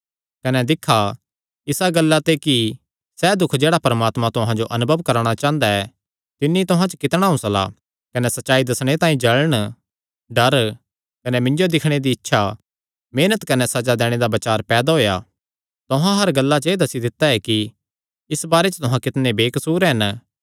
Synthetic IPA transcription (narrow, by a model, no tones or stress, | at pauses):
kɐnɛd̪ɪkʰːa | ɪsaɡɐlːat̪eki | sɛd̪ʊkʰd͡ʒeːɽapɐɾmaːt̪mãt̪ʊ̃ɦãd͡ʒoʔɐnʊbʱəʋkɐɾɽ̃at͡ʃãːə̃nd̪aɛ | t̪ɪnːit̪ʊɦãt͡ʃəkɪt̪ɽ̃aɦʊ̃sla̰ | kɐnɛsɐtːʃaːid̪ɐsɽ̃et̪aːĩd͡ʒɐɭəɽ̃ | ɖɐɾ | kɐnɛmɪ̃nd͡ʒod̪ɪkʰɽ̃ed̪iːtːʃʰa | meːnət̪kɐnɛsɐd͡ʒad̪ɛːɽ̃ed̪abɐt͡ʃaːɾpɛːd̪aɦoːja̰ | t̪ʊɦãɦɐɾɡɐlːat͡ʃeːd̪ɐsid̪ɪt̪ːaɛki | ɪsbaːɾet͡ʃət̪ʊɦãkɪt̪nebeːkɐsuːɾɦɐn